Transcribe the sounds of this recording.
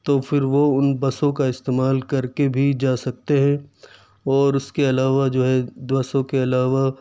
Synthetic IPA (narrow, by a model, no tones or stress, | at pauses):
t̪ofɪɾʋoʊnbɐsõkaɪst̪eːmaːlkɐɾkebʱid͡ʒaːsɐk̚t̪eɦɛ̃ | ɔːɾʊskeɐlaːʋad͡ʒoːɦɛbɐsõkeɐlaːʋa